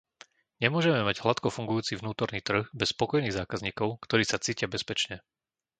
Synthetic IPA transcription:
ɲɛmʊɔʒɛmɛmaɟɦlat̪kɔfuŋɡujuːt͡sivnuːt̪ɔɾniːt̪r̩ɣbɛspɔkɔjniːɣzaːkazɲiːkɔʊkt̪ɔɾiːsat͡siːcɪabɛspɛt͡ʃɲɛ

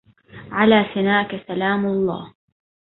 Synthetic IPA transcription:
ʕalaːsɪnaːkasalaːmlˤːɑ̰ː

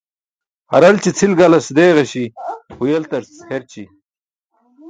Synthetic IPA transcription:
ɐ̰ɾɐlt͡ɕit͡sʰilɡalɐsd̪eːʁɐɕihujelt̪ɐɾsheɾt͡ɕi

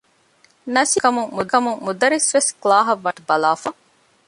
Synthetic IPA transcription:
nɐsikɐmuŋmud̪ɐmuŋmud̪ɐɾisʋesklaːɦɐʋːɐʈubɐlaːfɐ

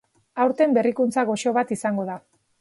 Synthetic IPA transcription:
awɾt̪e̞mbe̞rikunt͡saɣo̞ʃo̞βat̪isaŋɡo̞ð̞a

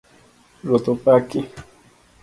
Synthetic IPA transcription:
ɾʊt̪ʊpakɪ

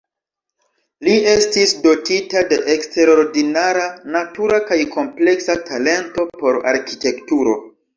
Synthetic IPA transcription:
lie̞stisdo̞titade̞ʔekste̞ɾo̞ɾdinaɾanatuɾakajkʰo̞mple̞ksatʰale̞nto̞po̞ɾa̰ɾkite̞ktuɾo̞

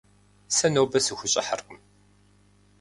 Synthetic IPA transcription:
sɐnowbɐsɨxʷʊɕʼɪ̰ħarqəm

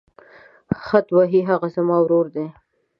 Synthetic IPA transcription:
xat̪waɦiɦaɣazamɑwɾoɾd̪e

